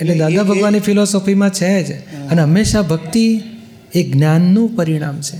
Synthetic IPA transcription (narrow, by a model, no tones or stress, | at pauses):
eed̪ãd̪abʱəɡʋanːifʰilɔsofimãt͡ʃʰed͡ʒəneɦəmːeʃabʱəkt̪i | eɡnjanːũpəɾiɽ̃amt͡ʃʰe